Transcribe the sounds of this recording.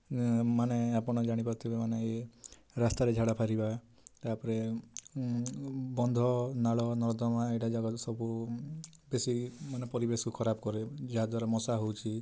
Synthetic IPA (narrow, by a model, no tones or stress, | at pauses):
maneapɔɽ̃ɔd͡ʒaɽ̃ipaɾt̪ʰibemanee | ɾast̪aɾed͡ʒʱaɽapʰaɾiba | t̪apɔɾe | bɔnd̪ʱɔnaɭɔnɔɾd̪ɔmaeʈad͡ʒaɡɔt̪sɔbu | besimanepɔɾibesɔkukʰɔɾabɔkɔɾed͡ʒeɦad̪waɾɔmɔsaɦowt͡ʃʰi